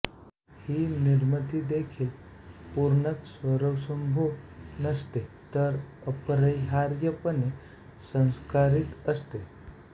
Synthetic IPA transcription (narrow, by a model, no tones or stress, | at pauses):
hiːniɾmət̪iːd̪ekʰiːl | puɾɳət͡ssʋəɾəwsəmbʱunəst̪e | t̪əɾəpɾəjɦaɾjəpəne | sə̃w̃skaɾit̪əst̪e